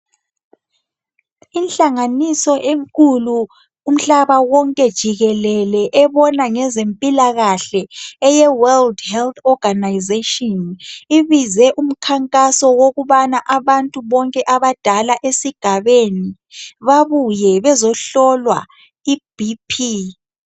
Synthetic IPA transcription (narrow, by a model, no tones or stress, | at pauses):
inɬaŋanisɔʔeŋkʼuluː | m̩ɬaβawɔŋkʼɛd̥ʒ̥ʱiɣɛlɛlɛʔɛβɔnaŋɛzempʼilaɣaɬɛɛjɛwɛldhɛlt̪ɔɡ̥ʱanajzetʼɔniβizɛʔum̩kʰaŋkʼasɔwoɣuβanaʔaβantʼuβɔŋkʼɛʔaβad̥ʱalaʔesiɡ̥ʱaβeni | βaβujɛβɛzɔɬɔlwa̰ | ib̥ʱipʰi